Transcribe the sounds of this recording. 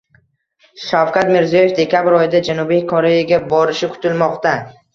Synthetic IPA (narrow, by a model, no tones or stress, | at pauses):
ʃawkʲat̪meɾzijoje̞fd̪e̞kʲabɪɾɒjɪd̪ad͡ʒanubijkʰoɾe̞jaɡʲabɒɾɪʃɪkʰʊ̥t̪ɪlmɒqt̪a